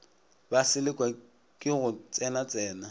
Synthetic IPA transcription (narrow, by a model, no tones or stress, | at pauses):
basɪlɪkʼwa | kʼɪɣʊt͡sʼɛnat͡sʼɛːna